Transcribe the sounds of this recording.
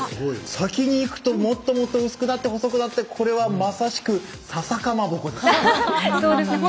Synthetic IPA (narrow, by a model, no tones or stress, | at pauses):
sakʲiɲ̟iːkɯ̟̥t̪o̞mo̞t̪ːo̞mo̞t̪ːo̞ɯ̟sɨ̥kɯ̟nat̪ːe̞ho̞so̞kɯ̟nat̪ːe̞kʰo̞ɾe̞βamasaɕi̥kɯ̟ | sasakamabo̞kod̪es | soːd̪es